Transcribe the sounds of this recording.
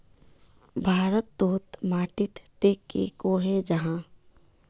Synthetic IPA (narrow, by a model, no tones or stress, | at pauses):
bʱaːɾət̪ːoːt̪maːʈɪt̪ʈeːkḛkoɦɛd͡ʒəɦãː